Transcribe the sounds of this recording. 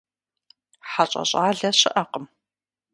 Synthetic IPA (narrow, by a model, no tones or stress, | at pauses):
ħaɕʼɐ̰ɕʼaːɮɐɕɪʔɐqəm